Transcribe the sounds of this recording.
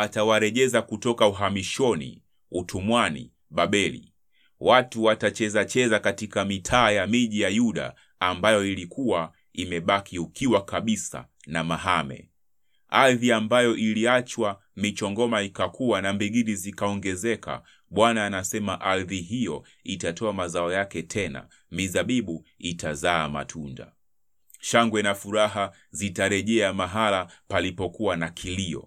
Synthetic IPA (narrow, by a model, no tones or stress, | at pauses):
atawaɾɛʄɛzakutɔkauɦamiʃɔnḭ | utumwanḭ | ɓaɓɛlḭ | watuwatat͡ʃɛzat͡ʃɛzakatikamitʰaːjamiʄijajuɗa̰ː | mbajɔilikʰuwa | imɛɓakʰiukʰiwakaɓisa̰ | namaɦamɛ̰ | aðiambajɔʔiliat͡ʃwa | mit͡ʃɔŋɡɔmaikakʰuwanambiɡiɾizikaɔŋɡɛzɛkʰa̰ | ɓwanaːnasɛmaʔaɾðiɦijɔ | itatʰɔamazaɔjakɛtʰɛna̰ | mizaɓiɓuitazaːma̰tʰunda̰ | ʃaŋɡwɛnafuɾaɦa | zitaɾɛʄɛamaɦalapalipɔkuwanakʰiliɔ̰